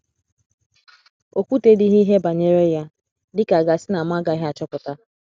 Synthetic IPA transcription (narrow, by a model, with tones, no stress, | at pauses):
o˨kʷu˦te˦di˦ɦi˦ɦe˦ba˨ɲe˦ɾe˦ja˦ | dɪ˦ka˨ɡa˨sɪ˦na˨m˦a˦ɡa˨i˦ɦa˨t͡ʃɔ˦pʊ˨ta˦